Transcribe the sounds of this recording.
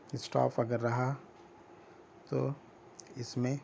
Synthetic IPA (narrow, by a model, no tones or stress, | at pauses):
sʈa̰ːpɐɡəɾːɐɦa | t̪oː | ɪsmẽ